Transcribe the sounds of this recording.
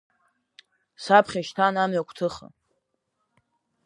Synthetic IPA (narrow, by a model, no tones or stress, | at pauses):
sapʰχʲaʃtʰanamɥakʷʰtʰɨχa̰